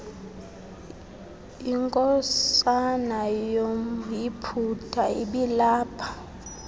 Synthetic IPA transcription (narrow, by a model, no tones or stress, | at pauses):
iŋkʼɔssanajomjipʰutʰaiɓilaːpʰḁ